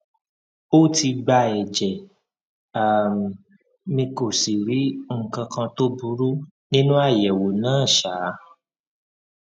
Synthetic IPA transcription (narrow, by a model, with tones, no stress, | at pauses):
o˦˨ti˧ɡ͡ba˧ɛ˨d͡ʒɛ˨ | a˨ | mĩ˧ko˨si˨ɾi˨˦˨kã˧kã˧to˦bu˧˦ɾu˦ | nĩ˦nũ˦a˦˨jɛ˨wo˨nãː˦˨ʃa˨˦